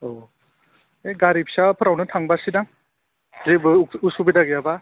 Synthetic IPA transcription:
o | eɡaɾipsapʰɯɾawnɯtʰaŋbasidaŋ | zebɯusubidaɡijaba

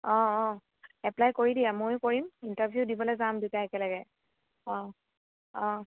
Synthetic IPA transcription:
ɔ̃ɔ̃ | ɛplajkoɹidijɛmojkoɹimintaɹbʱjudibɔlɛjzamdutaɛkɛlaɡɛ | ɔ̃ | ɔ̃

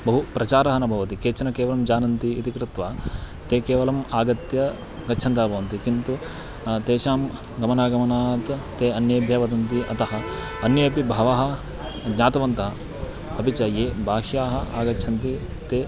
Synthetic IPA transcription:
bɐɦupɾɐt͡ʃaːɾɐɦɐnɐbʱɐʋɐt̪ikeːt͡ʃɐnɐkeːʋɐlɐmd͡ʒaːnɐnt̪iit̪ikɾɪt̪ʋaː | t̪eːkeːʋɐlɐmaːɡɐt̪jɐ | ɡɐtːʃʰɐnt̪aɦːbʱɐʋɐnt̪ikint̪u | t̪eːʃaːm | ɡɐmɐnaːɡɐmɐnaːt̪t̪eːɐnjɐbʱjɐʋɐd̪ɐnt̪iɐ̰t̪ɐɦɐ̆ | ɐnjɐɐpibʱaːʋaːɦɐ̆ | ɡɲaːt̪ɐʋɐnt̪ɐɦɐ | ɐbʱit͡ʃaːjeːbʱaːɦjaːɦɐa̰ːɡɐtːt͡ʃʰɐnt̪i | t̪eː

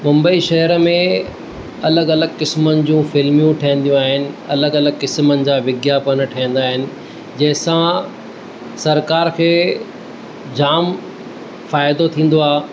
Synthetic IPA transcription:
mʊ̃mbəiʃɐɦəɾəmẽ | ɐləɡɐləɡkɪsmənɪ̆d͡ʑũːfɪlmijũʈʰiə̃n̆d̪ijũaːɦɪnɪ̆ɐləɡɐləɡkɪsmənɪ̆d͡ʑaːʋɪɡjapɐnəʈʰiĩn̆d̪aːɦɪnɪ̆ | d͡ʑɐ̃ɦɪ̃sã | sɐɾkaːɾkʰeː | d͡ʑaːm | faːɪd̪ot̪ʰĩːn̆d̪oaːɦ

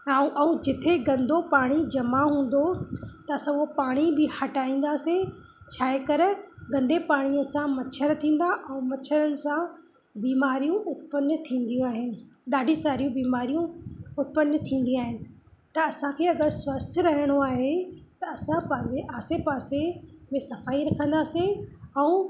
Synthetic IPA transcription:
ãːʔɛ̃ũd͡ʑɪt̪ʰeɡɐ̃nd̪ʱopaːɽ̃id͡ʑɐmaɦũːn̆d̪ot̪ɐɐsãʊɦopaːɽ̃ibɪhɐʈaːĩːn̆d̪aːse | t͡ɕʰaːɦekɐɾəɡɐ̃nd̪epaːɽ̃iəsãmɐt͡ʃʰəɾt̪ʰĩːn̆d̪aʔɛ̃ũmɐʃʰəɾənɪ̆sã | biːmaːɾijũʔʊt̪̚pənːət̪ʰĩːn̆d̪ijũaːɦɪnɪ̆ | ɗaːɖʱĩsaːɾijũbiːmaːɾijũʊt̪̚pənːət̪ʰĩːn̆d̪ĩaːɦɪnɪ̆t̪ɐɐsãkʰeːɐɡəɾswəst̪ʰɾɐɦɪɽ̃oaːɦet̪ɐɐsãpɐ̃ɦɪ̃ɲd͡ʑeʔaːsepaːsemẽsɐfaːiɾɐkʰə̃nd̪aːseɛ̃ː

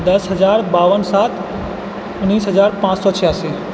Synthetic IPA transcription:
d̪əsɦəzaːɾbaːʋənsaːt̪ʰ | ʊnːiːsɦəzaːɾpãːt͡ʃsɔt͡ʃʰəjaːsiː

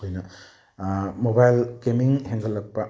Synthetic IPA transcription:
ojnɐ | mobajlkemiŋheŋɡɐlːɐk̚pa

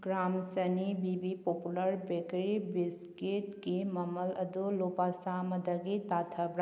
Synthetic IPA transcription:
ɡɾaːmsənibibipoːpuləɾbekɾibɪs | keʈkemɐmələd̪olopasaːməd̪əɡit̪aːt̪ʰəbɾ

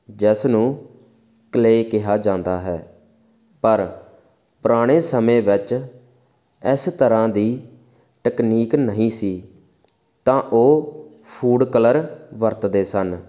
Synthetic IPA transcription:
d͡ʒɛsnũː | kleːkɪɦaːd͡ʒãːnd̪aːɦɛː | pəɾ | pʊɾaːɽ̃eːsəmẽːʋɪt͡ʃ | ɪst̪əɾãːd̪iː | ʈəkniːknəɦĩːsiː | t̪ãːʔoː | pʰuːɖkələɾʋəɾt̪d̪eːsən

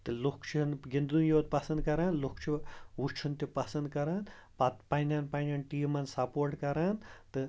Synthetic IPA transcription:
t̪ɨlukʰt͡ʃʰinɡind̪unjoːt̪̚pɐsɐnd̪̚kɐɾaːnlukt͡ʃʰiut͡ʃʰunt̪ʲipɐsɐnd̪kɐɾaːnpɐt̪pɐnʲaːnpanʲaːnʈiːmɐnsɐpoːɾʈkɐɾaːnt̪ɨ

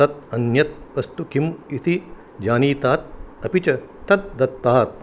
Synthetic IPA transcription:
ɐt̪̚ɐnjɐt̪̚ʋɐst̪ukʰimit̪ʰi | d͡ʒaːniːt̪aːt̪̚ɐpit͡ʃɐ | ɐt̪̚d̪ɐt̪ːaːt̪̚

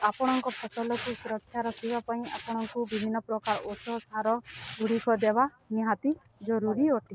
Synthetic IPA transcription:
apɔɽ̃ɔŋkɔpʰɔsɔlɔkusuɾɔkʰːjaɾɔkʰibapaĩa̰pɔɽ̃ɔŋkubibʱinːɔpɾɔkaɾɔʔosʰɔsaɾɔɡʱuɽ̤ikɔd̪eba | niɦat̪i | d͡ʒɔɾuɾioʈʰi

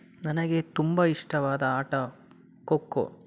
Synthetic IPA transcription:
nɐnɐɡe̞t̪umbɐiʂʈɐʋaːd̪ɐaːʈɐ | kokːo̰

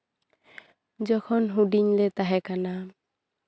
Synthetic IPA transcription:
d͡ʒɔkʰɔnɦuɖiɲlɛt̪aɦɛkana

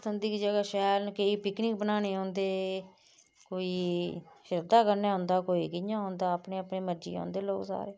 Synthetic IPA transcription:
t̪ənd̪iːkid͡ʒəɡaːʃɛːɾnkəiːpɪknɪːk̚bənaːneːɦõːnd̪eː | koːiːʃɪɾd̪aːkəɾnaːɦʊ̃nd̪aːkoːiːkɪɲãːɦʊ̃ːnd̪aːəpneːəpɳiːməɾd͡ʒḭːã̰ːnd̪eːlo̰ːksa̰ːɾeː

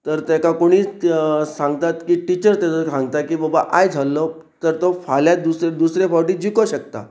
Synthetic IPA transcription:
t̪əɾt̪jakakoɽ̃iːsãŋɡt̪at̪kiːʈit͡ɕəɾt̪at͡səsãŋɡt̪akiːbəbaʔajd͡zʱalːɔ | t̪əɾt̪ofaljad̪used̪usɾefawʈiːd͡ʑikoɕəkt̪a̰

